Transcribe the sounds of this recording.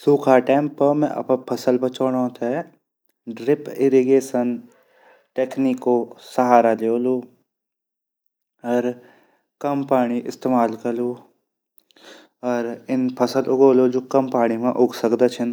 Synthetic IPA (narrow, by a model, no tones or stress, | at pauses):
suːkʰaʈɛːmpəmɛ̰̃ʔɐ̰pãpʰɐsəlbɐt͡ʃoːnãt̪aɛ | ɖɾɪpɪɾiɡeːsən | ʈeːknikosɐɦaːɾaleoːloː | ɔːɾ | kɐmpaːɽ̃iʔɪst̪eːmaːlkɐluː | ɔːɾɪnpʰɐsəlʊɡoːlod͡ʒoːkɐmpaːɽ̃imãʔʊɡsəkd̪at͡ʃʰən